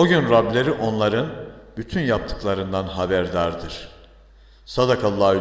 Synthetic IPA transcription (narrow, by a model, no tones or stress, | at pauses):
oɟynɾablʲe̞ɾiʔo̞nlˠaɾɯnbyt̪ʰynjap̚t̪ʰɯ̥klˠaɾɯnd̪anɦabæɾd̪aɾd̪ɯɾ̥ | sad̪akʰalˠːa